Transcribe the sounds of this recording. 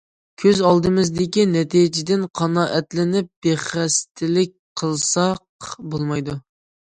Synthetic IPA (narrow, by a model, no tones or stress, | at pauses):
kʲʰøzɑlˠd̪ɨmɪzd̪ɪkʲinɛt̪ʰid͡ʒɪd̪ɪnqʰɑnɑːʔɛt̪lɪnɪp̚b̥eχæst̪ʰɪlɪk̚ʲqʰəlˠsɑqbolˠmɑjd̪u